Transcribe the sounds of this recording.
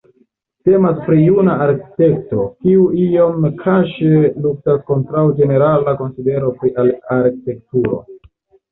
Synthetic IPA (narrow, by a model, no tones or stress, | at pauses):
te̞maspɾijunaaɾki̥te̞k̚to̞kiuio̞mkʰaʃeluk̚tasko̞ntɾawd͡ʒe̞ne̞ɾalako̞nside̞ɾo̞pɾiʔalaɾki̥te̞k̚tuɾo̞̰